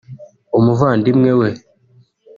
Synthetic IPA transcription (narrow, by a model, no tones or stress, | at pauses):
omuvandimŋɛwɛ